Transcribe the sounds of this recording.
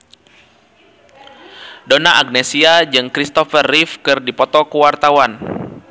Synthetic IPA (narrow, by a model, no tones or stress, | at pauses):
donaʔaɡ̚nɛsiad͡ʒɨŋkɾist̪ɔfərːifkɨrdipɔt̪ɔkuwart̪awan